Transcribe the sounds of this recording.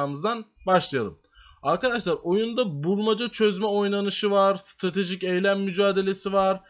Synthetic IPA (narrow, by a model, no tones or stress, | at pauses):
mɯzd̪anbaʃlˠajalˠɯm | aɾkad̪aʃlˠaɾo̞jund̪abuɾˠmad͡ʒat͡ʃʰøzmɛo̞jnanɯʃɯvaɾst̪ʰɾat̪ʰe̞ʒicejlʲænːyd͡ʒaːd̪e̞lʲe̞sivaɾ̥